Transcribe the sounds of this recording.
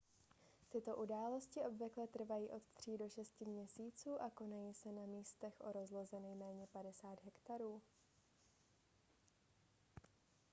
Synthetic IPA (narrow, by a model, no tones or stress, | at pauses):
t̪ɪt̪o̞ʔudaːlo̞scɪʔo̞bvɪklɛt̪r̩vajiːʔo̞t̪t̪r̝̥iːdo̞ʃɛscɪmɲɛsiːt͡suːʔako̞najiːsɛnamiːst̪ɛxʔo̞ɾo̞zlo̞zɛnɛjmɛːɲɛpadɛsaːd̪ɦɛkt̪aɾuː